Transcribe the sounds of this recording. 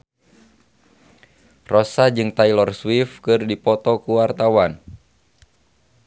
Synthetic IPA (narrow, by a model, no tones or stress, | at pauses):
rɔsad͡ʒɨŋt̪ailɔrswifkɨrdipɔt̪ɔkuwart̪awan